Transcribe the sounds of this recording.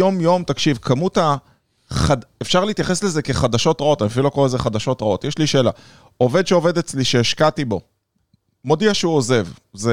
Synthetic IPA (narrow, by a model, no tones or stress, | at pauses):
jo̞mjo̞mt̪akʃivkʰamuta | χadefʃaʁliit̪jaχe̞sleze̞ke̞χad̪aʃo̞tʁao̞t̪aniafilokolazeχad̪aʃo̞t̪ʁao̞t̪jeʃliʃeːla̰ | ove̞d̪ʃeo̞ve̞d̪et͡sliʃeːʃkatibo̞ | mo̞d̪iaʃeuoze̞vze